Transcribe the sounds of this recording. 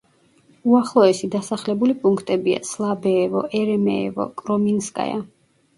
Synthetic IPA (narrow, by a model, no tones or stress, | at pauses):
uaχlˠɔɛsid̪asaχlɛbulipʼuŋkʰt̪ʼɛbia̰slˠabɛːvɔ̰ʔɛɾɛmɛ̰ːvɔ̰kʼɾɔminskʼa̰ja̰